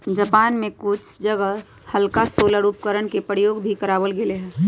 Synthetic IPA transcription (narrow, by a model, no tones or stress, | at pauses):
d͡ʒəpaːnmẽkʊt͡ʃʰd͡ʒəɡə | həlkasoːlaɾuːp̚kəɾəɳkepəɾjoːɡbʱikəɾaːʋəlɡɪleɦɛ̃ː